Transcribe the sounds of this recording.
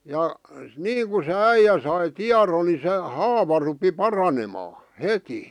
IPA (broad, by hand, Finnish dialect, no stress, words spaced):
jɑ niːŋku se æijæ sɑi tiɑron ni se hɑːʋɑ rupi pɑrɑnemɑː heti